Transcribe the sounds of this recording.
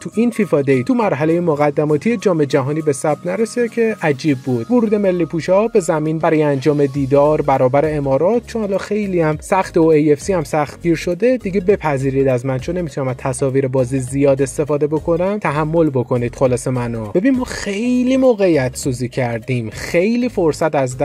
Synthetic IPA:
t̪ʰuʔinfifɒːd̪ejt̪ʰumæɾɦæle̞jemoɣæd̪ːæmɒːt̪ʰijed͡ʒɒːmeed͡ʒæɦɒːniːbe̞sæb̚d̪næɾesid̪ecʰe̞ʔæd͡ʒiːbːud̪̥voɾuːd̪e̞me̞lːiːpʰuːʃɒbe̞zæmiːnbæɾɒːjeænd͡ʒɒːme̞d̪iːd̪ɒːɾbæɾɒːbæɾe̞emɒːɾɒːt̪̚ʰt͡ʃʰonhɒlɒxe̞jliæmsæχt̪eoejefsihæmsæχt̪̚ɡiːɾʃo̞d̪e̞d̪iɟe̞be̞pʰæziːɾiːd̪æzmænt͡ʃʰonːemit̪ʰunæmæt̪ʰæsɒːviːɾebɒːzizijɒːd̪e̞st̪e̞fɒːd̪ebo̞kʰo̞næmt̪ʰæɦæmːo̞lbo̞kʰo̞niːd̪̥xolɒːse̞mænob̥e̞binmːɒːxe̞jliːmoɣeijæt̪ʰsuːziːcʰæɾd̪imxe̞jliːfo̞ɾsæt̪æzd̪

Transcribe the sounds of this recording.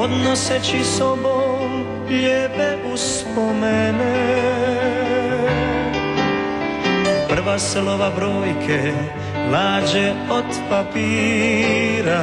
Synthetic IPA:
ɔd̪nɔsɛt͡ʃisɔbɔ | ʎɛːpɛʔus | pɔmɛnɛ | pr̩ʋasɛlɔʋabɾɔjkʰɛ | laːd͡ʒɛɔt̪papiː | ɾa

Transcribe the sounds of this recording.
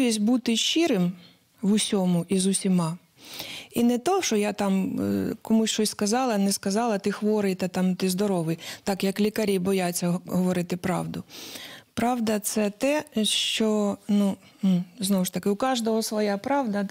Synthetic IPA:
isʲbut̪ɪʃt͡ʃiɾɪm | ʋʊsʲɔmʊʔizʊsʲimɑ | inɛt̪ɔʃɔjat̪ɑmkɔmʊsʲt͡ʃɔsʲskɐzɑlˠɐnɛskɐzɑlˠɐt̪ɪxʋɔɾɪjt̪ɑt̪ɑmt̪ɪzd̪ɔɾɔʋɪjt̪ɑkjɐklʲikɐɾʲibɔjat͡sʲːɐɦɔʋɔɾɪt̪ɪpɾɑ̰ʋd̪ʊpɾɑʋd̪ɐt̪sɛt̪ɛʃt͡ʃɔnu | m̩znɔwʊʃt̪ɐkɪʊkɑʒd̪ɔɦɔsʋɔjɑpɾɑʋd̪ɐ

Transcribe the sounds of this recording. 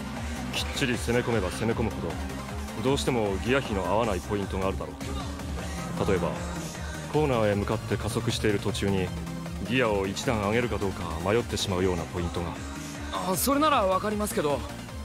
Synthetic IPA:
kʲi̥t͡ɕːiɾʲise̞me̞ko̞me̞base̞me̞ko̞mɯ̟ho̞d̪o̞ | d̪o̞ːɕi̥t̪e̞mo̞ɡʲijaçino̞aβanaipo̞ĩnt̪o̞ɡaːɾɯ̟d̪aɾo̞ːt̪ːei | t̪at̪o̞e̞ba̰ | ko̞ːnaːe̞mɯ̟kat̪ːe̞kaso̞kɯ̟ɕi̥t̪e̞iɾɯ̟t̪o̞t͡ɕɨːɲ̟i | ɡʲijao̞it͡ɕid̪ãɰ̃aŋe̞ɾɯ̟kad̪o̞ːkamajo̞t̪ːe̞ɕimaɯ̟jo̞ːnapo̞ĩnt̪o̞ŋa | aso̞ɾe̞naɾaβakaɾʲimasɨ̥ke̞d̪o̞

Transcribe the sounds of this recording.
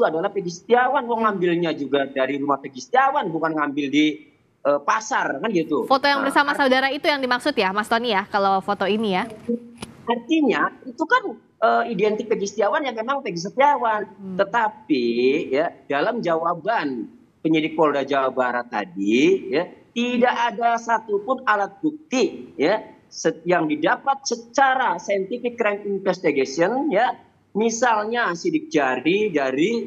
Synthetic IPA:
it̪uadalahpeɡisə̥t̪iawanwɔŋambɪlɲad͡ʒuɡadaɾiɾumahpeɡist̪iawanbukanŋambɪldi | əːpasarkanɡit̪ufot̪ojaŋbərsamassaudaɾait̪ujaŋdimaksʊt̪jamast̪onijakalofot̪oinija | art̪iɲait̪ukan | ʔəːidɛnt̪ɪk̚peɡist̪iawanjaŋemaŋpeɡis̬ət̪iawant̪ət̪ap̚ijadalamd͡ʒawaban | pəɲidɪk̚poldad͡ʒawabaɾat̪ːa̰dijat̪idaʔadasat̪upʊnalat̪̚buk̚t̪ija | səjaŋdidapat̪̚sət͡ʃaɾasajənt̪ifɪkːɾɛminfɛst̪iɡasiɔnja | misalɲasidɪk̚d͡ʒaɾidaɾi

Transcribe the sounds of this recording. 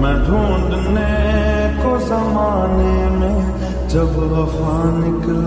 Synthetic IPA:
mɛ̃ːɖʱuːɳɖnekosaːmaːneːmẽ | d͡ʒəbʋəfaːnɪkl

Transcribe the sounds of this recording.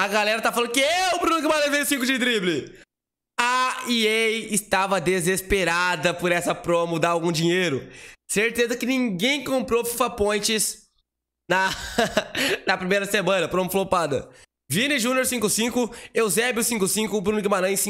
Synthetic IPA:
ɐɡalɛɾɐt̪afal̃d̪ʊkɪɛeʊbɾũnʊɡɪmaɾɐ̃j̃vẽjʊsĩŋkʊd͡ʒɪt̪ɾiblɪ | aiejɪst̪avɐd̪ezespeɾad̪ɐpʊɾɛsɐpɾõmʊd̪aawɡũd͡ʒĩɲejɾʊseɾt̪ezɐkɪnĩŋɡẽj̃kõmpɾofi̥fapõj̃t͡ʃɪs | nɐ | nɐpɾimejɾɐsemɐ̃nɐpɾõmʊflopad̪ɐ̰ | vĩnɪʒũnjoɾsĩŋkʊsĩkʊewzɛbɪʊsĩŋkʊsĩŋkʊːbɾũnʊɡɪmaɾɐ̃sĩ

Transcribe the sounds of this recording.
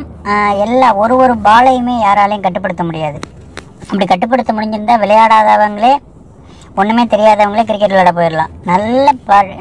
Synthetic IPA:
ɛlːaːɔɾɯʋɔɾɯbaːlɐjɯmeːjaːɾaːlɐjʊ̃kɐʈːɯp̬ːɐɽɯt̪ːɐmʊɽɪjaːðɯ | ɐpːɐɽikɐʈːɯp̬ːɐɽɯt̪ːɐmʊɽɪɲd͡ʒɯɾɯnd̪aːʋɪlɐjaːɽaːðɐːʋɐŋɡɐɭeː | ɔnːɯmeːt̪ɛɾɪjaːðɐʋɐŋɡɐɭeːk̬ɪɾɪk̬ːɐʈːlɐɽɐpoːjɪɾɐlã̰ːnɐlːɐpaː

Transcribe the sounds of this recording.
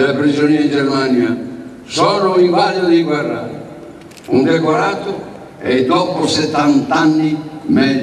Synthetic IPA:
elapɾizonid͡ʒɛɾmanja | sɔːɾʊiŋvalod̪iɡwɛrːa̰ːɾ̰ | und̪ɛkaɾat̪ʊ | ɛd̪ɔːpʊsɛt̪ːant̪anːimɛ

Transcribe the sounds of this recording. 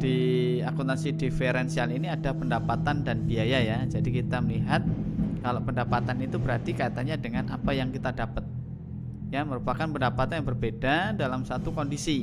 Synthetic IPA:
d̥iakut̪asidifeɾɛnsialiniadapəndapat̪andanbiajajad͡ʒadikit̪aməliɦat̪̚kalopəndapat̪anit̪ubəɾart̪ikait̪aɲadəŋanʔapajaŋkit̪adapət̪̚ | jaməɾupakanpəndapat̪anjabərbedadalamsat̪ukondisi

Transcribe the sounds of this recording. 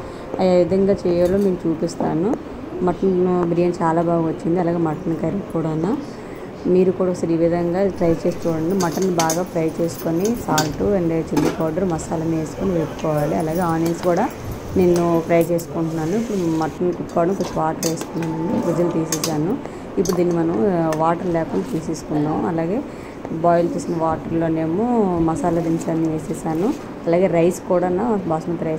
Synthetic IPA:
ɐjaʋid̪ʱɐŋɡaːt͡ʃɛːjaːlːo̞ːmiːɾut͡ʃuːpist̪aːnu | mɐʈɐnbɾiːjɐnt͡ʃaːlaːbaːɡɐʋɐt͡ʃːind̪iɐlaːɡeːmɐʈɐnikɐɾikɔːɽɐnːaː | miːɾukuːɽasɐɾiːʋid̪ʱɐŋɡaːʈɾɐjt͡ʃe̞ːst̪ɔːɽɐnimɐʈɐnːibaːɡaːpɾɐjt͡ʃe̞ːsu̥konisaːlʈuɐɳɖeːt͡ʃilːikaːɾɖɐɾmɐsaːlɐneːsu̥koniʋeːpu̥kɔːʋaːliɐlaːɡe̞ːaːniɐnskuːɽaː | nenːupɾɐjt͡ʃe̞ːsu̥kuɳʈunːaːnuipːuɽumɐʈːɐnːikupːkːaːɽɐmikot͡ʃːiʋaːʈɐɾʋeːst̪unːaːnɐɳɖikɾud͡ʒɐlɐt̪iːseːsaːnu | ipːuɽud̪iːnːimɐnɐmʋaːʈɐɾlɛːkuɳɖat̪iːseːsu̥kuɳːaːmɐlaːɡe̞ː | baːjlɐt͡ʃ̪uːsinɐʋaːʈɐɾlːo̞ːne̞ːmumɐsaːlɐd̪iɲt͡ʃaniʋeːsɛːsaːnu | ɐlaːɡe̞ːɾɐjskuːɽanɐbaːsmɐt̪ɾɐj

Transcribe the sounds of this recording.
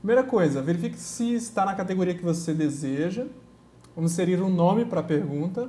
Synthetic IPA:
pɾimejɾɐkojzɐveɾifikɪ̥sɪst̪anɐkat̪eɡoɾiɐkɪvosed̪ezeʒɐ | vɐ̃mʊsseɾiɾũnõmɪpɾɐpeɾɡũnt̪ɐ

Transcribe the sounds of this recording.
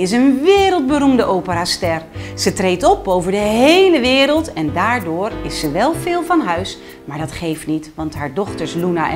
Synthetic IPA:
ɪs̬ənʋɪːɾəlˠd̚bəɾumdəʔowpəɾaːstɛrz̥ətrejtɔpowvəɹdəɦejləʋɪːɾəlˠtɛndaːɹdʊːrɪsːəʋɛlˠvɪːlˠvɑnɦœɥs | maːɹdɑtχejftnitʋɑntɦaːɹdɔχtəɹslunaʔ

